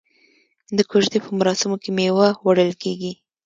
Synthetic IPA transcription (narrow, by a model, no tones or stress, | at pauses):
d̪əkoʒd̪epəmaɾɑsɪmokemewawaɽəlkeɡi